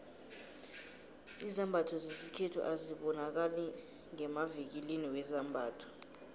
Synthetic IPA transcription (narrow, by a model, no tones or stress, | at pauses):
izambʱatʰɔzesikʰɛtʰṵʔaziɓɔnak̬alɛ | ŋɛmavik̬iliniwɛzambʱaːtʰɔ̥